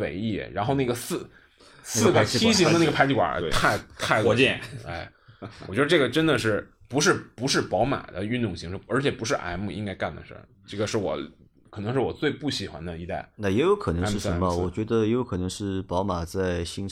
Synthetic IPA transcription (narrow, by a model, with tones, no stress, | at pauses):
wḛ˧˥˩ɪḭ˥˩ɻa̰˧˥nxo˥˧ʊna˥˩ɡə˩sɹ̩˥˩ | sɹ̩˥˩ɡə˨˥i˥ɕ̬i˧˥d̪ə˧n˥˩ɡə˩pʰa˥t͡ɕʰi˥kwa̰˨˩˥t̪ʰa˥˧ɪt̪ʰa˥˩ɪɔ˧t͡ɕɛ˥˨ḛ˥˧˩ɪ | wɥd̪ə˧ʈ͡ʂɤ˥˩ɡə˩ʈ͡ʂə˥nd̪ə˨ʂɻ̩˥˩ | pu˧˥ʂɻ̩˥˩pu˧˥ʂɻ̩˥˩pɑ˧˥ʊma̰˨˩d̪ə˦y˥˧nt̪ʊ˥˩ŋɕi˧˥ŋʂɻ̩˥˩ə˞˧˥t͡ɕʰjɛ˨˩pu˧˥ʂɻ̩˥˩ʔa̰˧˥ɪmu˥˩i˥ŋka˥ɪka˥˩nd̪ə̰˩ʂ | ʈ͡ʂɤ˥˩ɡə˩ʂɻ̩˥˩wɔ̰˨˧˩ | kʰɤ˨˩nɤ˧˥ŋʂɻ̩˥˩wɔ̰˨˩t͡swe˥˧ɪpu˥˩ɕi˨˩xwa̰˧nd̪ə˧i˧˥t̪a̰˥˩ɪna˥˩jɛ˧˥ɪjo˧˥ʊkʰɤ˨˩n˧˥ʂɻ̩˥˩ʂə˧˥nmə˧wɔ˨˩t͡ɕɥɛ˧˥d̪ə˧jjo˧˥kʰɤ˨˩nɤ˧˥ŋʂɻ̩˥˩pɑ˧˥ʊma˨˩t͡sa˥˩ɪɕi˥ŋ